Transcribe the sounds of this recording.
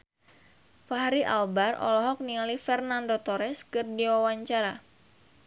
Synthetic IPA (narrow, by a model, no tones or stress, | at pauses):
faɦɾiʔa̰lbarɔ̰lɔɦɔk̚nialifɛrnandot̪ɔɾɛskɨrdiwawaɲt͡ʃaɾa